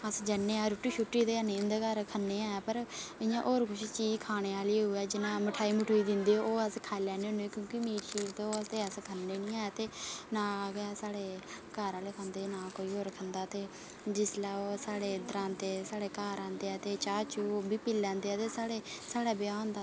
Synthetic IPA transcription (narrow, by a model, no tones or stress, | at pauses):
əsd͡ʒənːeːaːɾʊʈiːʃʊʈːiːt̪eːəneːnd̪eːkəɾkʰənːeːaːaːpəɾɪjãːʔoːɾkʰʊʃt͡ʃiːd͡ʒkʰaːɽ̃eːaːlieɦʊɛːd͡ʒɪnãːməʈʰaːiːmʊʈʰoːiːd̪ɪnd̪eːooːəskʰaːlɛːneːõːneːkjõːkɪmiːɾʃiːɾt̪eoːəst̪eːəskʰənːeːnĩːaːaːt̪eːnãːɡaːsaːɽeːkaːɾaːleːkʰə̃nd̪eːnaːkoːiːɦoːɾkʰənd̪aːt̪eː | d͡ʒɪslaːoːsaːɽeːd̪əɾãːnt̪eːsaːɽeːkaːɾãːnd̪eːaːt̪eːt͡ʃaːt͡ʃuːbiːpilːãːnd̪eːaːt̪eːsaːɽeːsaːɽaːbɪjãːõːnd̪aː